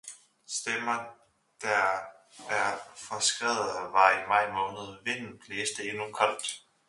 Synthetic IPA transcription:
sd̥emɐ | d̥æ | æɐfɒsɡ̥ʁɛ̰ːð̩ˠʋɑ̈imɑ̈ɪ̰mɔ̽ːnəð̞̩ˠʋe̝dn̩bʰleːsd̥əe̝nukʰɒl̰d̥

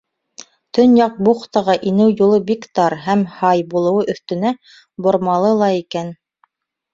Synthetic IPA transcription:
t̪ɵnjɑq̚buχt̪ɑʁɑʔinɘwjulˠɤbikt̪ɑɾɦæmhɑjbulˠɤ̆wɤʔɵ̆θt̪ɵ̆næ | bŏɾmɑlˠɤlˠɑikæn

